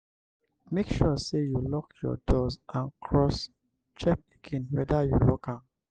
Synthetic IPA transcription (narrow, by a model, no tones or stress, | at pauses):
mekʃusejulɔkjɔ̰dɔzʔãnkʰɹɔs | t͡ʃɛp̚eɡ̥ẽnwɛdajulɔkãm